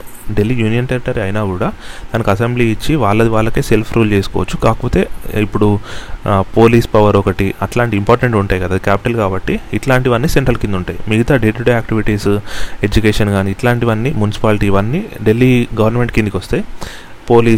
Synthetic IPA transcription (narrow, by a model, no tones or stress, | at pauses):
ɖe̞lːiːjuːnijɐnt̪eɾiʈːɐɾiɐjnaːkuːɽaːt̪anɐkuɐsembliit͡ʃːiʋaːɭːɐd̪iʋaːɭːɐke̞ːse̞lpʰɾʔuːlt͡ʃe̞ːsu̥kɔ̰ːʋɐt͡ʃːukaːkɐpɔːt̪e̞ːipːuɽu | po̞ːliːspɐʋɐɾɔkɐʈiɐʈlaːɳʈiːmpɔːɾʈeɳʈuɳʈaːjkɐd̪aːd̪ikaːpi̥ʈɐlkaːbɐʈːiːʈlaːɳʈiʋɐnːiseɳʈɐɾlkind̪uɳʈaːjimiɡɐt̪aːɖeːʈuːɖejaːkʈiʋiʈiːse̞d͡ʒukeːʂɐnɡaːniːʈlaːɳʈiʋɐnːimunisi̥paːliʈiːʋɐnːiɖe̞lːiɡɐʋɐɾnme̞ɳʈkind̪ikʋost̪eːi | po̞ːliː